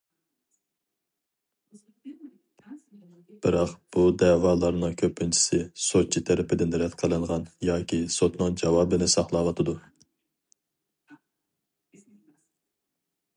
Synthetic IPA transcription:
b̥ɪɾɑqb̥ud̪ɛːwɑːlˠɑɾnɨŋkʲʰøpʰːɪnt͡ʃʰi̥sɪsot͡ʃʰit̪ʰɛɾɪpʰɪd̪ɪnd̪ɪɾɛt̪qʰəlˠɨŋʁɑnjɑːkʲisot̪nɨŋd͡ʒɑwɑːbɨnɪsɑχlˠɑːwɑt̪ʰɨd̪u

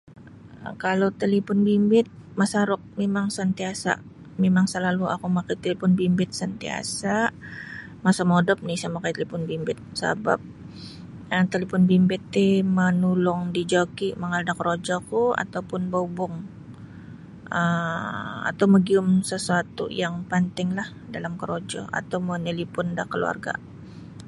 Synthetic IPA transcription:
kalot̪əlipʊnbimbɪt̪̚masaɾʊk̚memaŋsant̪iasa̰ʔ | memaŋsəlaluakumakajt̪elipʊnbimbɪt̪̚sant̪ia̰saʔ | masamodɔp̚nɪsamakajt̪elipʊnbimbɪt̪̚sa̰ba̰p̚ | ət̪əlepʊnbimbɪt̪ːɪmənulʊŋdid͡ʒokiməŋaldakəɾod͡ʒɔkua̰t̪awpʊnbaubʊŋ | ə | a̰t̪awməɡiʊmsəsuat̪ṵjaŋpant̪ɪŋlah | dalamkəɾod͡ʒɔ̰a̰t̪awmənilipʊndahkəlṵa̰rɡa̰

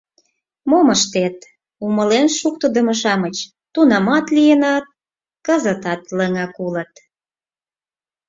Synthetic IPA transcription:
moməʃt̪et̪ | uməlenʃuk̚t̪əd̪ə̆moʃɑmət͡ɕ | t̪unɑmɑt̪lijenɑt̪̚ | kəzət̪ɑt̪ləŋɑkulət̪

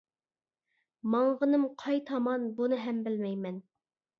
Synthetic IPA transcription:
mɑɴʁənɨmqʰɑjt̪ʰɑmɑnbunɨɦɛmbɪlmɛjmɛn

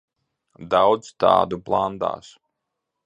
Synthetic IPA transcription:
d̪awd̪zt̪ɑ̰ːd̪uplˠand̪a̰ːs

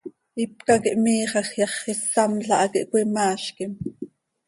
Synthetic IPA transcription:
ip̚kɑkiʔmiːχɑχjɑχisːɑmɬɑʔɑkiʔkʷimɑːʃkim

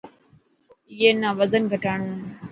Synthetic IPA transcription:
ɪjeːnaːʋəzənɡʱəʈaːɳ̃uːeː

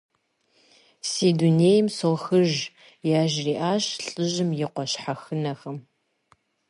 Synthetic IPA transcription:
siːduneːjɪmsoxɨʒ | jaːʒriːʔaːʃɬʼɨʑɪmjɪqʷɔɕħaxɨnɐxɐm

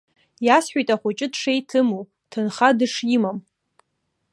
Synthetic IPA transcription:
jasħʷᶣejtʼaχʷʊt͡ʃʼɪdʂejtʰɨmu | tʰɨnχadɨʂimam

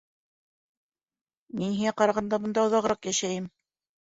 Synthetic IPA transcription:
minhiŋæqɑɾɑʁɑnd̪ɑbŏnd̪ɑŏðɑʁɾɑqjæʃæjɘm

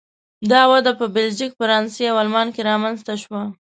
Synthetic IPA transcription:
d̪ɑwad̪apəbɪld͡ʒikfaɾɑnseawalmɑnkeɾɑmanst̪aʃwa

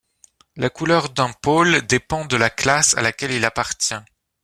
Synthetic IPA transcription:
lakulœʁd̪ɛ̃pold̪epɑ̃d̪əlaklasa̰lakʲɛlilapaʁt̪jɛ̃

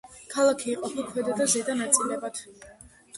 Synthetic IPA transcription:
kʰalˠakʰiːqʼɔpʰilˠkʰwɛd̪ad̪azɛd̪anat̪sʼilɛbat̪ʰ

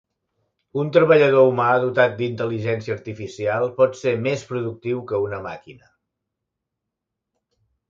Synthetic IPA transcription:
unt̪ɾəβəʎəð̞oumaðut̪at̪̚d̪int̪əliʒɛnsiəːɾt̪ifisialˠpɔt̪semespɾuðuk̚t̪iwkəunəma̰kinə

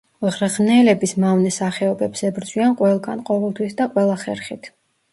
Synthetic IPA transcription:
ʁɾʁnɛlɛbismavnɛsaχɛɔbɛbsɛbɾd̪zʼwianqʼwɛlˠɡanqʼɔvɛlˠt̪ʰwisd̪aqʼwɛlˠaχɛɾχit̪ʰ

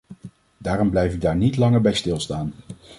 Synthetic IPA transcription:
daːrɔmblɛjfɪɡ̚daːɹnitlɑŋəɹbɛjstɪlˠstaːn

